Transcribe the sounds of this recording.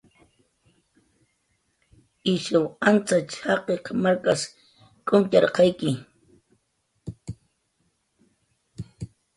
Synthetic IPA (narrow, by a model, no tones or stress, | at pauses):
ɪʃawant͡sat͡ʃɑqeqmaɾkas | kʼʊmt͡ʃɑɾqɑjkɪ